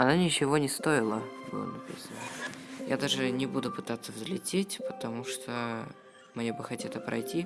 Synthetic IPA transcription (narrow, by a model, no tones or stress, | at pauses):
ɐnanʲɪt͡ɕɪvo̞nʲɪst̪o̞ɪlˠəbɨ̰lˠə̰nɐpʲḭsənəja̰d̪aʐɨnʲɪbud̪ʊpɨt̪at̪sːəvzlʲɪtʲetʲpət̪ɐmuʂt̪ʰo | mnʲebɨxɐtʲat̪əpɾɐ̰jtʲi